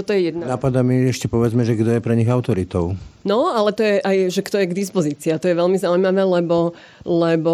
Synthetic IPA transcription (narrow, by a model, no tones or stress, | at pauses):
ɔt̪ɔjɛjɛd̪nanapad̪amiɛʃcɛpɔʋɛd͡zmɛʒɛɡd̪ɔjɛpɾɛɲiɣaʊt̪ɔɾit̪ɔʊnɔalɛt̪ɔjɛʔajʒɛkt̪ɔjɛɡd̪is̬pɔziːt͡siːat̪ɔjɛʋɛlmizaujmaʋɛːlɛbɔ | lɛbɔ